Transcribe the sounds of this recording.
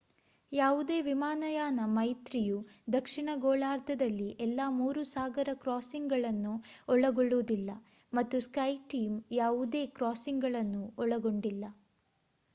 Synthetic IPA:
jaːʋud̪e̞ːʋimaːnɐjaːnɐmɐjt̪ɾijud̪ɐkʂiɳɐɡoːɭaːɾd̪ʱɐd̪ɐlːiʔɛlːaːmuːɾusaːɡɐɾɐkɾaːsiŋɡɡɐɭɐnːuɔɭɐɡoɭːuːd̪ilːɐ | mɐt̪ːuskɐjʈiːmjaːʋud̪e̞ːkɾaːsiŋɡɡɐɭɐnːuɔɭɐɡoɳɖilːɐ

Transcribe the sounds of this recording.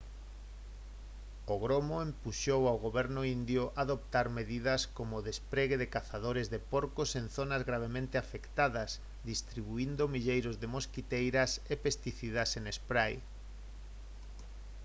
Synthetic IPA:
oɣ̞ɾomoempuʃowawɣoβɛɾnʊind̪jʊʔaðop̚t̪aɾmeðiðɐskomoðespɾeɣeðekaθað̞oɾezðepoɾkosenθonazɣɾaβ̞emẽnt̪eafekt̪aðɐs | d̪ist̪ɾiβ̞uind̪omiʎejɾozðemoskit̪ejɾɐsepest̪iθiðasenespɾaj

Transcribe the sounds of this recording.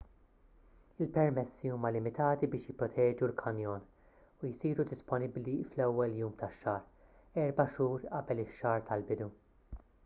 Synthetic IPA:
ɪlpɛɾmɛsːiuːmɐlɪmɪt̪ɐːt̪ibɪːʃjɪpɾɔt̪ʰɛːd͡ʒulkʰɐnjɔːn | ujsiːɾud̪ɪspɔnɪbliflɛwːɛljuːmt̪ɐʃːɐːɾ | ɛɾbɐʃuːɾʔɐbɛlɪʃːɐːɾt̪ʰɐlbɪd̪u

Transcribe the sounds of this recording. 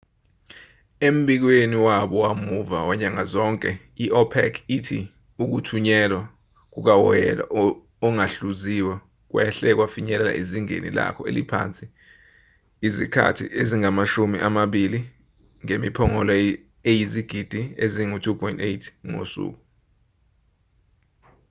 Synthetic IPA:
em̩ɓik̬weniwaɓɔwamuva̰waɲaŋazɔŋkʼɛ | iʔɔpʰɛ̰kʰitʰi | uk̬utʰuɲɛlwa | k̬uk̬awɔjɛ̰la̰ | ɔŋaɬuziwa | k̬wɛ̰ɬɛk̬wafiɲɛlɛla̰ʔiziŋḛnḭla̰kʰɔḛlipʰa̰nt͡sʼi | izikʰa̰tʰḭʔeziŋamaʃumiʔamaɓili | ŋemipʰɔŋɔlɔ | ejiziɡ̥ʱid̥ʱieziŋutʰupʰɔjntejtʰŋo̰sṵːk̬u

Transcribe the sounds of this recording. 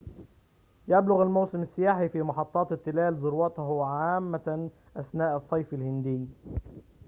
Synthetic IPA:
jablʊɣalmawsɪmɪsːɪjaːħifiːmɑħɑt̪ˤːɑːt̪t̪ːɪlaːlzʊɾwɑt̪hʕaːmːa | ʔasnaːʔɨsˤːɑjfɪlhɪnd̪ɪː

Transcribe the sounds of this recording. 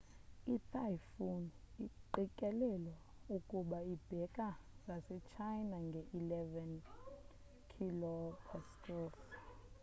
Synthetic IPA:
itʰajfuniǃikʼɛlɛlɔ | ukʼuɓaib̥ʱɛkʼaŋɡʱasɛt͡ʃʰajnaŋɡʱɛʔilɛvɛn | kʰilɔpʰɛskʰʼɔs

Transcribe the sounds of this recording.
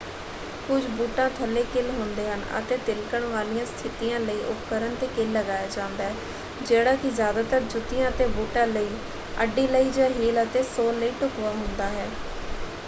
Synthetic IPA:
kʊd͡ʒbuːʈãːt̪ʰəlːeːkɪlɦʊ̃nd̪eːɦənə̰t̪eːt̪ɪlkəɳʋaːlijãːst̪ʰɪt̪ijãːləiːʔʊpkəɾənt̪eːkɪlːəɡaːjaːd͡ʒãːnd̪aːɦɛː | d͡ʒeːɽaːkɪzjaːd̪aːt̪əɾd͡ʒʊt̪ɪjãːət̪eːbuːʈãːləiː | əɖːiːləiːd͡ʒãːɦeːlət̪eːsoːnləiːʈʊkʋaːɦʊnd̪aːɦɛː

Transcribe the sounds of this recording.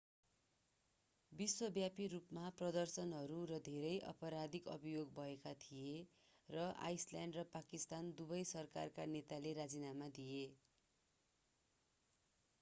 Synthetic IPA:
biswʌbjapirupmaprʌd̪ʌrsʌnɦʌɾuɾʌd̪ʱeɾʌjʔʌ̰pʌɾad̪ikʌ̰bijoɡbʱʌekat̪ʰije | rʌa̰jsljaɳɖrʌpakist̪and̪ubʌjsʌrka̰rkanet̪aleɾad͡zinamad̪ije

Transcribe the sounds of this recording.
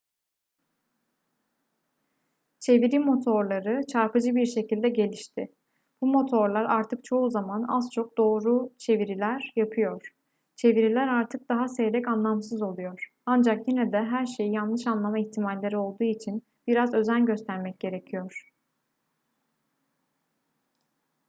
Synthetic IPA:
t͡ʃʰe̞viɾimo̞t̪ʰo̞ɾlˠaɾɯt͡ʃʰaɾpɯd͡ʒɯbiɾʃe̞cilʲd̪ɛɟe̞lʲiʃt̪ʰɪ | b̥umo̞t̪ʰo̞ɾlˠaɾaɾt̪ʰɯk̚t͡ʃʰo̞uzamana̰zt͡ʃʰo̞k̚d̪o̞ːɾut͡ʃʰe̞viɾilʲæɾjapʰɯjo̞ɾ̥ | t͡ʃʰe̞viɾilʲæɾaɾt̪ʰɯk̚d̪̥aɦasejd̪ɛcanlˠamsɯzo̞lˠujo̞ɾ̥ | and͡ʒakjinɛd̪ɛɦæɾʃe̞jijanlˠɯʃanlˠamaiçt̪ʰimalʲlʲeɾio̞lˠd̪uːit͡ʃʰin | b̥iɾazø̞zænɟø̞st̪ʰæɾmɛc̚ɟe̞ɾe̞cʰijo̞ɾ̥

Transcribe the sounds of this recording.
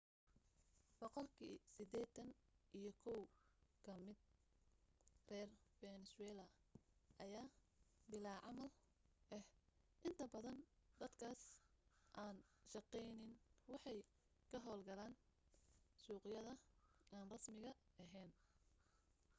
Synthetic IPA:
b̥ɔqɔlkʰiːsɪd̪ɛːt̪ɐnʔijɞkʰɔwkʰɐmɪd̪̚ | rɛːrbɛnɛswɛːlɐʔɐjaː | bɪlaːʕɑmɐl | ʔɛh | ʔɪnt̪ʰɐbɐðɐnd̪ɐd̪kʰaːsʔaːnʃɑqɛjnɪnwɑħɑj | kʰɐɦɔːlɡɐlaːn | suːqɪjɐðɐaːnrɐsmɪɣɐɐɦɛːn

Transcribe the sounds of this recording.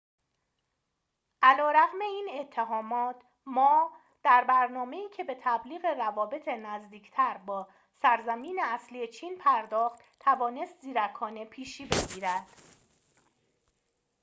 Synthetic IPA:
ʔælɒːɾæɣme̞iːne̞t̪ʰːeɦɒːmɒːt̪ʰ | mɒː | d̪̥æɾbæɾnɒːme̞iːcʰe̞be̞t̪ʰæbliːɣe̞rævɒːbe̞t̪ʰe̞næzd̪iːcʰt̪ʰæɾbɒː | sæɾzæmiːneæsliːet͡ʃʰiːnpʰæɾd̪ɒːχt̪t̪ʰːævɒːne̞st̪ziːɾækʰɒːnepʰiːʃiːbe̞ɡɟiːɾæd̪̥

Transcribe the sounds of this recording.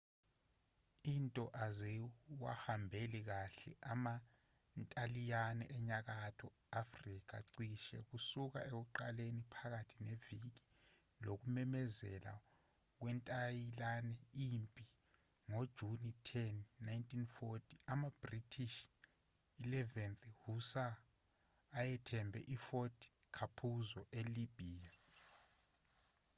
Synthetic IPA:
intʼɔʔazɛwa̰hambʱelik̬aɬɛ̰ʔama | ntʼalijanɛʔɛɲak̬atʰɔ | afrik̬ʰa̰ǀiʃɛ̰k̬usuk̬a̰ek̬uǃalenipʰak̬atʰinevik̬i | lok̬umɛmɛzɛ̰la̰ | k̬wɛntʼajilanɛimpʼi | ŋod̥ʒ̥ʱunitʰɛnːajntʼʰinfotʰi̥amab̥ritʰiʃ | ilɛvɛnthusaː | jɛtʰɛmbʱɛ̰ʔifotʰʼi̥ | kʰapʰuzɔʔelib̥ʱiːja

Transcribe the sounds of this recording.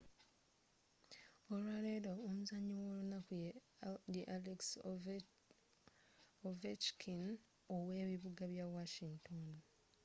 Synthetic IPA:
olwaːledoomuzaɲːiwoːlunaku | jeʔaleks | ovet͡ʃkʰin | owe̞ːβiβuɡaβjawaʃiŋɡtʰon

